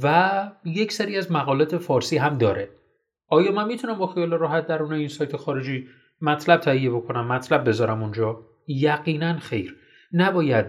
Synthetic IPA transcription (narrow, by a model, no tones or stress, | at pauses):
væje̞cʰseɾiːæzmæɣɒːlɒːt̪ʰefɒːɾsiːɦæmd̪ɒːɾe̞ | ʔɒːjɒːmænmiːt̪ʰunæmbɒːxijɒːleɾɒːɦæt̪̚d̪æɾuːnɒinsɒːjt̪ʰexɒːɾe̞d͡ʒiː | mæt̪ʰlæb̥̚t̪ʰæhijːe̞bo̞kʰo̞næmːæt̪ʰlæb̚ːe̞zɒːɾæmund͡ʒɒː | jæɣiːnænxe̞jɾ | næbɒːjæd̪